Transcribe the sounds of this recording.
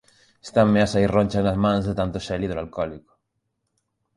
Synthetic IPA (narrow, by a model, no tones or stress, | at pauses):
e̥st̪amːeasairõnʲt͡ʃanazmãnzðet̪ant̪oʃɛliðelalkɔliko̥